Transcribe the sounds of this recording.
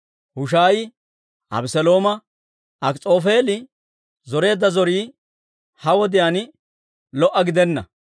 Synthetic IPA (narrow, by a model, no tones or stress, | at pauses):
hʊʃ̬aːjɪ | ʔɐ̰bsɛlo̞ːmɐ | ʔɐkt͡sʼo̞ːfe̞ːlɪ | zɔɾe̞ːd̪ːɐzɔɾiː | hɐwɔd̪ɪjaːnɪ | lɔʔːɐɡɪd̪ɛnːɐ̰